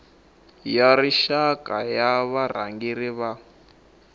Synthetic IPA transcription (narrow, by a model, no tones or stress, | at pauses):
jaɾiʃakajaβar̤a̰ŋɡiɾiβa